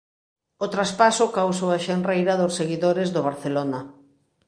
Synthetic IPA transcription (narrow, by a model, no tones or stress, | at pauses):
ot̪ɾaspasʊkawsoaʃenrrejɾɐðosːeɣiðoɾɪzðoβ̞aɾθelonɐ